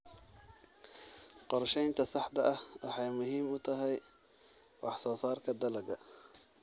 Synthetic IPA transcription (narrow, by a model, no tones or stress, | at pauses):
qɔɾˤʃɛjnt̪ʰɐsɑħd̪ɐʔɐhɑ̰ħɑjmʊɦiːmʊt̪ʰɐɦɛj | wɑ̰ħsɔːsɑːrkʰɐd̪ɐlɐɡɐ